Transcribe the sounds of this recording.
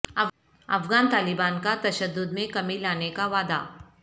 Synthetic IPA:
ɐ | ɐ̰fɡaːnt̪aːlɪbaːnkat̪ɐʃəd̪ːʊd̪mẽkɐmilaːnekaʋaːd̪a̰ː

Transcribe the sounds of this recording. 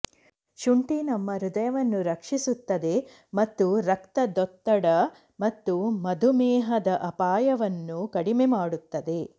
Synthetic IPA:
ʃuɳʈinɐmːɐɾud̪ɐjɐʋɐnːuɾɐkʂisut̪ːɐd̪e̞ | mɐt̪ːuɾɐkt̪ɐd̪ɔt̪ːɐɽɐ | mɐt̪ːumɐd̪ʱumɛːɦɐd̪ɐʔɐpaːjɐʋɐnːukɐɽimemaːɽut̪ːɐd̪e̞

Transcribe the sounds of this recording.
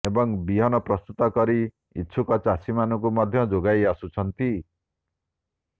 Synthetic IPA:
ebʌŋbiɦʌnʌprʌst̪ut̪ɔkʌɾi | ḭtːsʰukʌt͡sasimanuk̬umʌd̪ʱjʌd͡zoɡajasut͡sʰʌnt̪i

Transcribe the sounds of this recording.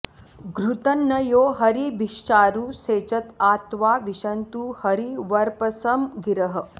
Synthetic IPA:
ɡɾut̪ɐnːɐjoːɦɐɾibʱiʃt͡ʃaːɾuːseːt͡ʃɐt̪aːt̪ʋaːʋiʃɐnt̪uhɐɾiʋɐɾpɐsɐmɡiɾɐɦɐ̆

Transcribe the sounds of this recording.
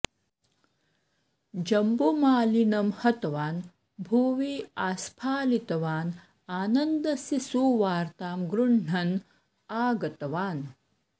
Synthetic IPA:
d͡ʒɐmbumaːlinɐmhɐt̪ɐʋaːn | bʱuːʋiːaːspʰaːlit̪ɐʋaːn | aːnɐnd̪ɐsisuːʋaːɾt̪aːmɡɾuɳɳ̤ɐn | aːɡɐt̪ɐʋaːn

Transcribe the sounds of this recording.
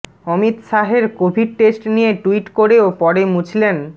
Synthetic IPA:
ɔmit̪ʃaɦeɾkobʱiɖ̚ʈesʈnijeʈuiʈkoɾeopɔɽemut͡ɕʰilen

